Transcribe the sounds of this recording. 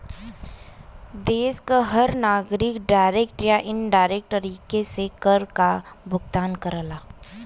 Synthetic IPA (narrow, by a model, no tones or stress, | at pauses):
d̪eːskaɦɐɾnaːɡɾɪkɖaːɪɾeːkʈɾjaʔɪnɖaːɪɾeːk̚ʈtəɾiːkesekəɾkabʱʊɡt̪aːnkəɾəlaː